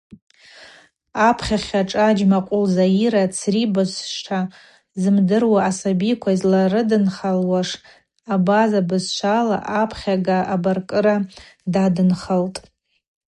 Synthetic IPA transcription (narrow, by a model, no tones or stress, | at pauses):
apʰχʲaχʲaʈ͡ʂʼad͡ʒmaqʷʼʊlzajiɾat͡sʰribɨsʃʈ͡ʂʰa | zɨmdɨrwaːsabikʷʰazlarɨdɨnχalwaʂ | abazabɨzʃʷʰala̰ʔapʰχʲaɡaabarkʼɨɾadadɨnχəltʼ